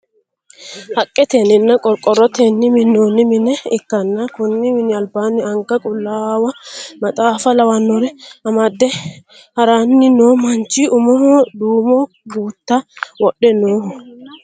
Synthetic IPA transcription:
hɐkʼːɛt̪eːnɪnːɐkʼɔɾkʼɔrːɔt̪eːnːɪmɪnːoːnːɪmɪnɛɪkːɐnːakʊnːɪmɪnɪɐlbaːnːɪɐŋɡɐkʼʊlːaːwɐmɐt̪ʼaːfɐlɐwɐnːɔɾɛɐmɐd̪ːɛ | hɐɾaːnːɪnoːmɐnt͡ʃiʊmɔhd̪uːmɔ | ɡuːt̪ːawɔɗːɛnoːhɔ

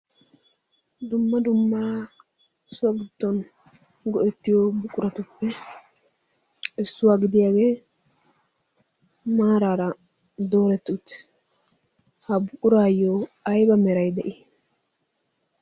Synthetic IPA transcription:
d̪ʊmːɐd̪ʊmːaː | ɪsʊwɐɡɪd̪̥ːɔn | ɡɔʔɛt̪ːɪjɔbʊkʼːʊɾɐt̪ʊpːɛ | ɛsːʊwaːɡɪd̪ɪjaːɡeː | maːɾaːɾɐ | d̪o̞ːɾɛt̪ːʊt̪ː | hɐbʊkʼːʊɾaːjoɐjbɐmɛɾɐjd̪ɛʔi

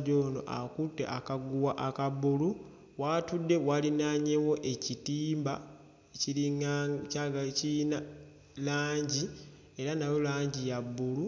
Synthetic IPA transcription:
ɟoːno̞̰ʔa̰kutːḛʔakaɡuwaʔakabulu | watudːe̞walinaɲewo̞ʔe̞citiːmba̰ | eciɾiŋacaɡacina | laːɲɟi | e̞ɾanawolaːɲɟijabːulu

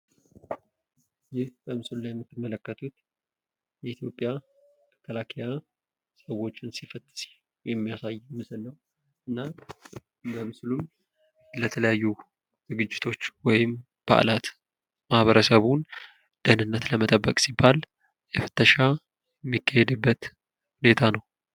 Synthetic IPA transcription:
jɪhb̥əmɨsɨlulajɛmːɨt̪ːɨmːələkːət̪ʰut̪ | jɛit̪ʰjo̞pʼːja | məkʰːəlakʰija | səwo̞t͡ʃːɪnsifət̪ʼːɨs | jɛmːijasajmɨsɨlːəhu | ʔɨnːa | bəmɨsulum | lət̪ʰələjajːu | z̥ɨɡɨd͡ʒːɪt̪ʰo̞t͡ʃːwɔjɪm | b̥a̰ʔlat̪ | mahβəɾəsəβun | d̪̥ənɨnːət̪ləmət̪ʼəbːəkʼsibːal | jɛfə̥t̪ːəʃa | jɛmːikːahed̪ɨbːət̪ | hune̞t̪ʰanəw

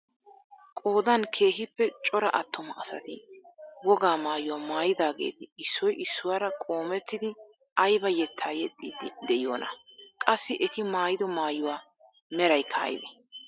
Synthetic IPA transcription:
kʼo̞ːd̪ɐnkʰe̞ːɦɪpːɛt͡ʃʼɔɾɐ̰ʔɐt̪ːɔmɐɐsɐ̰t̪ɪwɔɡaːmaːjʊwaːmaːjɪd̪aːɡḛːt̪ɪɪsːɔjʔɪsːʊwaːɾɐkʼo̞ːmɛt̪ːɪd̪ɪ | ʔɐjbɐjɛt̪ʰːaːjɛt̪ʼːḭːd̪ɪd̪ɛjo̰ːnɐ̰kʼɐsːɪʔɛt̪ɪmaːjɪd̪ɔmaːjʊwaː | mɛɾɐjkʰa̰ːjd̪ɛ

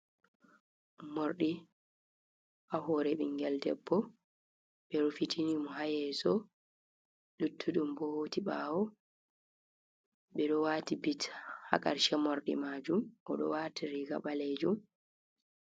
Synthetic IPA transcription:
moɾɗi | ʔahɔɾɛɓiŋɡɛldɛ̰bːɔ | ɓɛɾufitʰinimɔɦajɛsɔ | lutʰːuɗumbɔhotiɓaːwɔ | ɓɛɗɔwaːtibitha̰ka̰ɾʃɛmɔɾɗḭmaːd͡ʒumʔɔɗɔ̰waːtiɾiɡa̰ɓaled͡ʒum

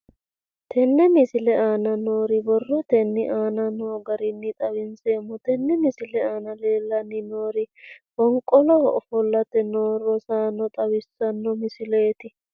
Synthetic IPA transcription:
t̪ʰɛnːɛmɪsɪlɛaːnɐno̞ːɾɪbɔrːɔt̪ɛnːɪʔaːnɐnoːɡɐɾɪnːɪt̪ʼɐwɪnseːmːʊt̪ɛnːɛmɪsɪlɛaːnɐleːlːɐnːɪnoːɾɪbɔŋkʼːɔlɔɔ̰fɔlːɐt̪ɛnoːɾɔsaːnːɔt̪ʼɐwɪsːɐnːɔmɪsɪle̞ːt̪ɪ

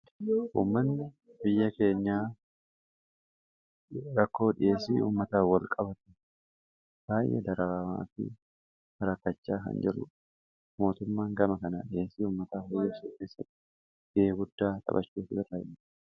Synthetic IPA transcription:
ʔṵːmːɐnːɪ | bɪjːɐke̞ːɲːaː | ɾɐkːo̞ːᶑɪʔe̞ːsḭːṵːmːɐt̪aːwɐlkʼɐbɐt̪ɛ̥ | b̥aːjʔḛd̪ɐɾɐɾama̰ːfɪ̰ | hɐɾɐkːɐt͡ʃːaːkɐ̰nd͡ʒɪrʊ̰ | mo̞ːt̪ʊmːaːŋɡɐmɐkɐna̰ːᶑɪje̞ːsiːuːmːɐt̪aːhɔjeːsuːke̞ːsːɐt̪ːɪ̥ | ɡ̥eːɡʊd̪ːaːt̪ʼɐ̰bɐt͡ʃːuːfɪᶑɐt̪ɐɪm

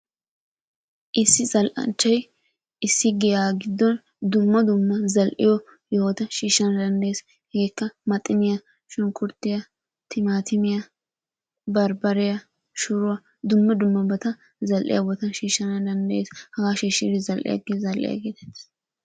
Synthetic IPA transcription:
ʔɪsːɪzɐlʔɐ̰nt͡ʃːɐj | ɪsːɪɡɛjaːɡɪd̪ːɔn | d̪ʊmːɐd̪ʊmːɐzɐlʔɪ̰jɔ | jɛwɔt̪ɐʃiːʃːɐnɐd̪ɐnd̪ɐjeːs | heːkːɐmɐt̪ʼːɪnɪjɐ | ʃʊŋkʊɾt̪ːɪjɐ | t̪ʰɪmaːt̪ʰɪmɪjɐ | bɐɾbɐɾɪjɐ | ʃʊɾʊɐ | d̪ʊmːɐd̪ʊmːɐbɐt̪ɐ | zɐlʔɪ̰jɐbɔt̪ɐʃiːʃːɐnɐd̪ɐnd̪ɐjeːshɐɡaːʃɛʃiɾɪzɐlʔɪ̰jɐ̰ɡezɐlʔɪ̰jɐ̰ɡeːt̪ɛ̥t̪ːɪ̥s

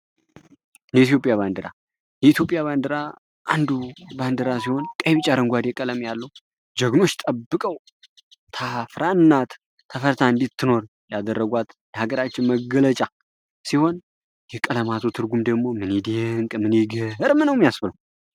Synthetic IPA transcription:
ɨnəit̪jo̞pʼjaβand̪əɾa̰ | jɛit̪ʰjo̞pʼjaβand̪əɾa | ʔand̪uband̪əɾasiho̞nkʼəjβɨt͡ʃʼaɾəŋɡʷad̪jɛkʼələmjalːəw | d͡ʒəɡno̞t͡ʃːt̪ʼəbːɨkʼəw | t̪ʰafɾaɨnːat̪ʰː | əfəɾt̪ʰaɨnd̪it̪ʰːɨno̞ɾ | jad̪ərːəɡʷat̪jəhaɡəɾat͡ʃːɪnməɡələt͡ʃʼa | siho̞n | jɛkʼələmat̪ʰut̪ʰɨɾɡumd̪əɡmo̞mɨned̪eŋkʼmɨneɡəɨɾmɨnəwmːijasbɨləw

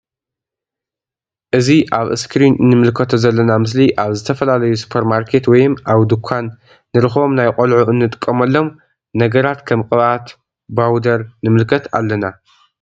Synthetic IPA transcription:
ʔɨziʔaβɨ̰skʰɾinɨnːɨmɨlkʰɐt̪ʰozɐlːɐnamɨs̬liʔaβzɨt̪ʰɐfɐlalɐjusu̥pʰɐɾmaɾkʰe̞t̪wɔjɨmʔaβd̪ukʷʰanː | ɨɾɨxβo̞mnajqʼolʕuɨnːɨt̪ʼɨ̥kʼːɐmɐlːo̞m | nɐɡɐɾat̪kʰɐmkʼɨβʔat̪ | bawd̪ɐɾnɨmɨlkʰɐt̪ʰa̰lːɐna

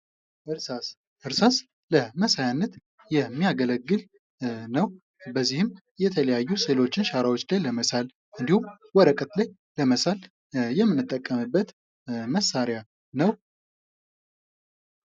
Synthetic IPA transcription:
ʔɨɾsas | ʔɨɾsas | ləməsajanːət̪ | jɛmːijaɡələɡːɨl | nəw | bəzːihɨm | jɛt̪ʰələjajːuse̞lo̞t͡ʃːɪnʃaɾawot͡ʃːlajləməsal | ʔɨnd̪ihum | wɔɾəkʼət̪laj | ləməsal | jɛmːɨnːɨt̪ʼːəkʼːəmɨbːət̪ | məsːaɾja | nəw

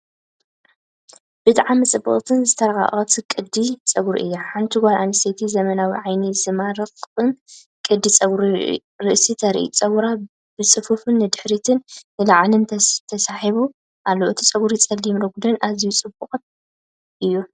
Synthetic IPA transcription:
b̥ɨt̪ʼʕamɨt͡sʼɨbːɨ̰χʼt̪ʰɨnzɨt̪ʰɐɾɐɣa̰χʼɐt̪ʰikʼɨd̪ːit͡sʼɐɡuɾḭʔɨ̰jːaħant̪ʰɨɡaɾʔanɨset̪ʰizɐmɐnawiʕajnizɨmaɾɐkʼɨn | kʼɨd̪ːit͡sʼɐɡɾḭ | ɾɨʔsit̪ʰɐɾḭʔḭt͡sʼɐwɾa | b̥ɨt͡sʼɨfufɨnːɨd̪ɨħɾit̪ʰɨnːɨlaʕlɨnʰt̪ʰɐsaħiβu | ʔalːoʔɨt̪ʰi̥t͡sʼɐɡuɾit͡sʼɐlːimɾɨɡud̪ɨnʔazijut͡sʼɨbɨχʼt̪ | ʔɨjːu

